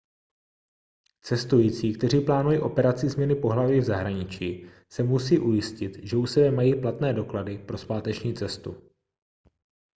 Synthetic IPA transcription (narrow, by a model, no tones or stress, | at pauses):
t͡sɛst̪ujiːt͡siːkt̪ɛr̝iːplaːnujiːʔo̞pɛɾat͡sɪzmɲɛnɪpo̞ɦlaviːvzaɦɾaɲɪt͡ʃiː | sɛmusiːʔujɪscɪt̪ʒɛʔusɛbɛmajiːplat̪nɛːdo̞kladɪpɾo̞spaːt̪ɛt͡ʃɲiːt͡sɛst̪ṵ